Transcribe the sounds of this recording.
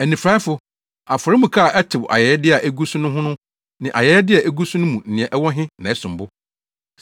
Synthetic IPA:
æ˨nĩ˨fɾa˦ɪ˦fʊ˨ | a˨fʊ˨ɾɪ˦mũ˨kʰa˦˨ʔɛ˦tʰɪ˨wa̰˨jɛ˨˦ɛ˦dɪ˦a˨ʔæ˦ɡu˦sʊ̃˦nʊ̃˦ɦʊ̃˦nʊ̃˦ | nɪ̃˨ʔa̰˨jɛ˨˦ɛ˦dɪ˦a˨ʔæ˦ɡu˦su˦nʊ̃˦mũ˨n̩˨ɪ̃˨ɛ̃˨ʔɛ˦wɔ˦ɦɪ̃˦nã˨ɛ˦sʊ̃˨m˨bʊ˦

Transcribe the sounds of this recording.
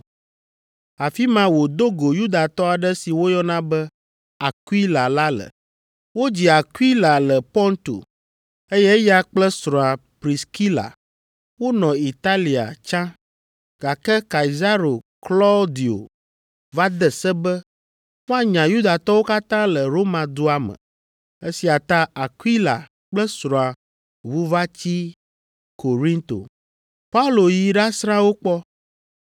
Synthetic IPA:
a˨fi˦mã˦wo˨d̪o˦ɡo˨ju˦d̪a˨t̪ɔ˦a˨ɖɛ˦si˨wo˦jɔ˦nã˦bɛ˦ | a˨kwi˦la˨la˦lə̰˨ | wo˦d͡ʑi˨a˨ku˦i˦la˨lɛ˨pɔ̃˦nt̪o̰˨ | e˦jɛ˦ja˦k͡plɛ˦sɾɔ̃˨a˨pɾi˨ski˦la̰˨ | wo˦nɔ̃˨i˨t̪a˦li˨a̰˨t͡ʃã˦ | ɡ̥a˨kɛ˦ka˨i˨za˦ɾo˨klɔ˦d̪i˨o̰˨ | va˦d̪ɛ˨sɛ˦bɛ˦ | ŋõ˦a˨ɲã˨ju˦d̪a˨t̪ɔ˦wo˦ka˦t̪ã˦lɛ˨ɾo˦mã˨d̪o˦a˦mɛ̰̃˨ | e˦si˨a˨t̪a˦a˨kwi˦la̰˨ | k͡plɛ˦sɾɔ̃˨a˨ | βu˦va˦t͡ɕi˦ | ko˨ɾĩ˦nt̪o̰˨ | pa˦u˦lo˨ji˨ɖa˦sɾã˦wo˦k͡pɔ˦

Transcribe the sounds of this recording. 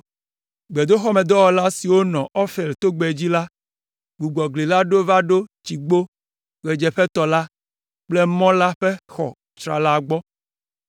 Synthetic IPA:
ɡ͡be˨d̪o˦xɔ˦me˨d̪ɔ˦wɔ˨la˦si˨wo˦nɔ̃˨ʔɔ˦fe˨lt̪o˦ɡ͡be˨d͡ʑi˦la˦ | ɡ͡bu˨ɡ͡bɔ˨ɡli˨la˦ɖo˦va˦ɖo˦t͡ʃi˨ɡ͡bo˦ | ɣe˨d͡ʒɛ˨ɸe˦t̪ɔ˨la˦ | k͡ple˦mɔ̃˦la˦ɸe˦xɔ˨ | t͡ʃɾa̰˨la˦˨ɡ͡bɔ˦

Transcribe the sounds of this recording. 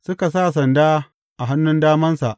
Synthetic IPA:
sʊ˦ka˨s̬aː˦˨s̬ɐ˨ndaː˦ | ʔa˨ɦa˦nːʊ˦ndaː˦mɐ˦nsa˨ʔ

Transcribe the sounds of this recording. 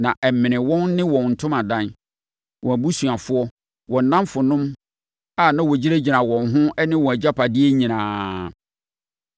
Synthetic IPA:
nã˨ʔɛ˨m˨mɪ̃˨nɪ̃˨wɔ̃˦nːɪ̃˦wɔ̃˨n˨n̩˨tʰʊ̃˦mã˨dã˦n | wʔɔ̃˨æ˨bu˦su˨a˨fʊ˦ɔ˦ | wɔ̃˨n̩˨nã˦mfʊ˨nʊ̃˦m | a˨nã˦wɔ˨d͡ʑi˦ɾe˦d͡ʑi˨ã˨wɔ̃˨nɦʊ̃˦ɛ˦nɪ̃˦wɔ̃˨æ˨d͡ʑa˦pʰa˨dɪ˦ɛ˦ɲĩ˨nãː˨

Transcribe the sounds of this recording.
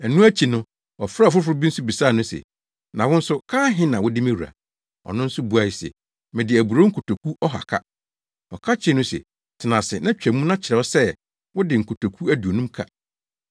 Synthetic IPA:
æ˨nũ˦æ˦t͡ɕʰi˨nʊ̃˦ | ɔ˨fɾa˦˨fʊ˦fʊ˦ɾʊ˦bi˦n̩˦sʊ˦bi˨sa˦˨nʊ̃˦sɛ̰˨ | nã˨wʊ̃˦n̩˦sʊ˦kʰãː˦ɦɪ̃˦nã˨wʊ˦dɪ˦mɪ̃˦ɾu˨a̰˨ | ɔ̰˨nʊ̃˦n̩˦sʊ˦bu˦a˨i˨sɛ̰˨ | mɪ̃˨dɪ˨æ˨bu˨ɾo˦ŋ̩˦kʰo˨to˨kʰu˦ɔ˦ɦa̰˨kʰa̰˦ | ɔ˨kʰa˦t͡ɕʰɪ˦nʊ̃˦sɛ̰˨ | tʰɪ˨nã˨sɪ˨nã˦t͡ɕᶣæ˨mũ˦nã˦t͡ɕʰɪ˨ɾɛ˨ɔ˦sɛ˦ | wʊ˦dɪ˨ŋ̩˨kʰo˨tʰo˨kʰu˦æ˦du˨o˨nũ˦mkʰa̰˨

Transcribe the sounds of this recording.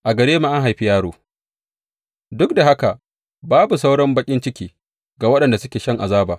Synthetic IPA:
ʔa˨ɡɐ˨ɽeː˦ma˦ʔa˦ŋɦa˨jɸi˦jaː˦ɽoː˦ | dʊ˦kda˨ha˦ka˨ | baː˦bu˨sa˦wɽɔ˦mbɐ˦kʲʼɪ˦nt͡ʃɪ˦kʲiː˦ | ɡa˨wɐ˦ɗɐ˨nda˨sʊ˦kʲeː˨ʃɐ˦ŋʔa˨zaː˦baː˨

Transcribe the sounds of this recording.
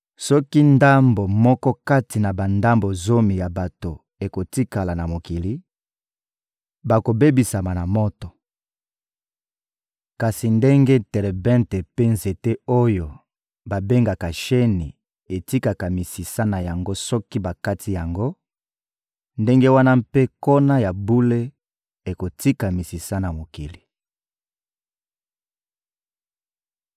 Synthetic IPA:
sɔ˦ki˦nda˦mbo˨mɔ˦kɔ˦ka˦ti˨na˨ba˨nda˦mbo˨zo˦mi˨ja˨ba˨to˨ | e˨ko˨ti˦ka˨la˨na˨mo˨ki˨li˦ | ba˨ko˨be˦bi˨sa˨ma˨na˨mɔ˦tɔ˨ | ka˨si˨nde˦ŋɡe˦tɛ˨lɛ˨bɛ̃˦ntɛ˨pe˦nze˨te˦o˦jo˨ | ba˨be˦ŋɡa˨ka˨ʃe˦ni˨ | e˨ti˦ka˨ka˨mi˨si˨sa˦na˨ja˨ŋɡo˦sɔ˦ki˦ba˨ka˦tʰi˦ja˨ŋɡo˦ | nde˦ŋɡe˦wa˦na˦mpe˦ko˦na˦ja˨bu˦le˦ | e˨ko˨ti˦ka˨mi˨si˨sa˦na˨mo˨ki˨li˨

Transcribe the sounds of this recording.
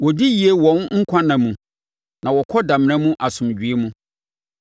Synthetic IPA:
wɔ˨di˦ji˨e˦wɔ̃˨˦nŋ̩˦kʷʰã˦nã˨mũ˨ | nã˨wɔ˨kʰɔ˦dã˨m˦ɾ̃ã˦mũ˦ʔa˨sʊ̃˨md͡ʑᶣɥe˦mũ˦

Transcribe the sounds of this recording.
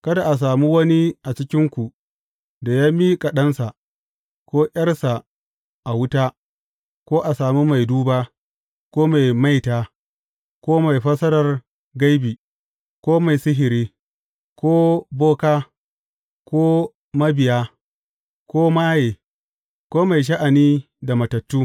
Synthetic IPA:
kɐ˦da˨ʔa˨s̬aː˨mu˦wɐ˦ni˦ʔa˨t͡ʃɪ˦kʲɪ˦ŋkʷu˨ʔ | da˨jaː˦miː˦kʼa˨ɗɐ˦nsa˨ | kʷoː˦ʔʲɐ˦rsa˨ | ʔa˨wʊ˦taː˦ | kʷoː˦ʔa˨saː˨mu˦ma˨jduː˦baː˦ | kʷoː˦ma˨jma˦jtaː˦ | kʷoː˦ma˨jɸɐ˦sɐ˦ɾɐ˨r | ɡa˦jbiː˨ | kʷoː˦ma˨jsɪ˦ɦɪ˨ɾiː˦ | kʷoː˦boː˦kaː˦ | koː˦ | mɐ˦bɪ˨jaː˦ | kʷoː˦maː˦jeː˨ | kʷoː˦ma˨jʃ̬ɐ˦ʔa˨niː˦ | da˨mɐ˨tɐ˨tːuː˦

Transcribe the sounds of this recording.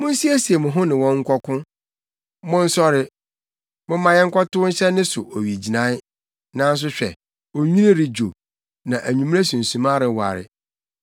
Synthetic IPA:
mʊ̃˦n̩˦si˦æ˦si˨e˨mʊ̃˨ɦʊ̃˦nɪ̃˨wɔ̃˦ŋ̩˦kʷɔ˦kʰʊ̃˦ | mʊ̃˦n̩˦sɔ˦ɾɪ˦ | mʊ̃˦mã˨jɛ˦ŋ̩˦kʰɔ˦tʊ˦ʊ˦ɲ̩˦ɕɛ˦nɪ̃˦sʊ˨ʔo˨ɥi˨d͡ʑi˨nã˦ɪ˦ | nã˦n˦s̬ʊ˦ɕᶣɛ˨ | o˨ɲᶣĩ˦nĩ˦ɾɪ˨d͡ʑo˨ | nã˨ʔæ˨ɲũ˨m̃˦e˦sũ˨n̩˨sũ˨mã˦ɾɪ˨wa̰˨ɾɪ̰˨

